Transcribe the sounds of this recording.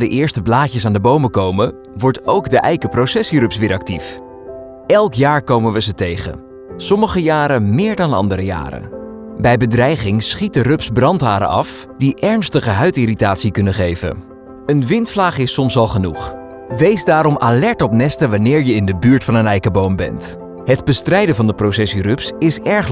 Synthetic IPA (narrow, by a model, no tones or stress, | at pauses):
dəʔɪːɹstəblaːcəsaːndəbowməkowmə | ʋɔɹtowɡdəʔɛjkəprowsɛsirɵpsʋɪːɹɑk̚tif | ɛlˠkjaːɹkowmənʋəzətejχə̰ | sɔməχəjaːɾəmɪːɹdɑndəɑ̰ndəɾəja̰ːɾə̰ | bɛjbədrɛjχɪŋsχit̚dərɵpsbrɑntɦaːɾə̰ʔɑ̰f | d̥iʔɛɹnstəχəɦœɥtiritaːtsikɵnəχejvə̰n | ənʋɪntflaːχɪsɔmsɑlˠχənuχ | ʋejzdaːɾɔmʔalɛɹtɔpnɛstəʋanɪːɹjəɪndəbyːɹtfɑnənɛjkəbowmbɛ̰nt | ɦədbəstrɛjdəvɑndəprowsɛsirɵpsɪsɛɹχ